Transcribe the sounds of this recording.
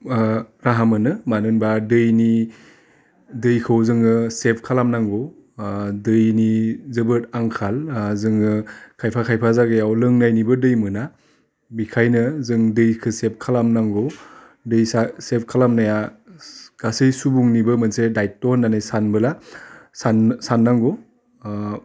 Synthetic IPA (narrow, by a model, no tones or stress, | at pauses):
ɾaɦamɯnɯmanɯnbadɯjni | dɯjkʰɯwzɯŋɯsep̚ʰkʰalamnaŋɡow | dɯjnizɯbɯt̚aŋkʰalzɯŋɯkʰajpʰakʰajpʰazaɡɯjawlɯŋnajnibɯdɯjmɯna | bikʰajnɯzɯŋdɯjkʰɯsep̚kʰalamnaŋɡɔ | dɯjsasep̚ʰkʰalamnaja | ɡ̥asɯjsubuŋnibɯmɯnsedajt̚ːɔnːanɯjsanbɯlasansanːaŋɡo